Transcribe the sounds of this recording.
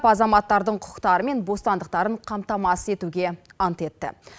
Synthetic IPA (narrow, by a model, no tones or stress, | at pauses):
pɑzɑmɑt̪ːɑɾd̪əɴqʰʊ̥qt̪ɑɾəme̞nbo̞st̪ɑnd̪əq̚t̪ɑɾəɴqʰɑmt̪ɑmɑsəe̞t̪uɡʲe̞ɑnt̪e̞t̪ːɪ̰